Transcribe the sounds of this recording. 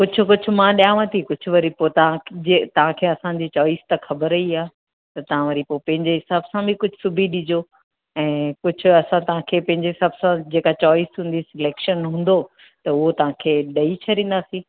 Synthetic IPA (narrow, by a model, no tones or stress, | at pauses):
kʊd͡ʑʰʱʊ̆kʊd͡ʑʱʰʊ̆mãɗijaːʋə̃t̪ʰikʊd͡ʑʰʱʊ̆ʋɐɾipot̪ɐʋ̤ãd͡ʑet̪ɐʋ̤ãkʰeːɐsãd͡ʑiːt͡ɕɔːist̪ɐxɐbəɾɐiaː | t̪ɐt̪ɐʋ̤ãʋɐɾipopɐ̃ɦɪ̃ɲd͡ʑeɦɪsaːbsãbʱikʊd͡ʑʱʊsʊbʱiɗɪd͡ʑo | ɛ̃ːkʊd͡ʑʱʊ̆ɐsãt̪ɐʋ̤ãkʰeːpɐ̃ɦɪ̃ɲd͡ʑeɦɪsaːbsãd͡ʑeːkat͡ɕɔːɪsɦũːn̆d̪isɪleːkʃənɦũːn̆d̪o | t̪ɐʊɦot̪ɐʋ̤ãkʰeːɗɐit͡ɕʰɐɗĩːnd̪aːsĩː